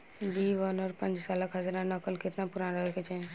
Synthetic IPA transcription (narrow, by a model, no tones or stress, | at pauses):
biːʋənɔːɾpə̃nd͡ʒsaləkɦəd͡ʒɾãnəkəlkɪt̪napʊɾanɾəɦeket͡ʃɛ̃